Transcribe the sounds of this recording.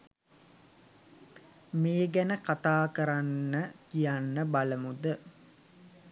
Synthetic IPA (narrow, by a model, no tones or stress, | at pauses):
meːɡænəkat̪aːkəɾanːəkijanːəbaləmud̪ə